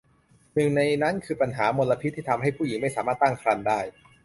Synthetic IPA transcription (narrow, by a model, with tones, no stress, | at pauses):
nɯ˨˩ŋna˧jna˦˥nkʰɯː˧pa˧nɦaː˩˦mo˧la˧pʰi˦˥t̪ʰːiː˥˩t̪ʰa˧mɦa˥˩jpʰuː˥˩ji˩˦ŋma˥˩jsaː˩˦maː˥˩t̪ːa˥˩ŋkʰɾa˧ndaː˥˩j